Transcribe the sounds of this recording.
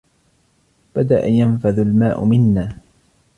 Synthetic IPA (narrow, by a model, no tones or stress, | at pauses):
b̥ad̪aʔajanfaðalmaːʔʊmɪnːaː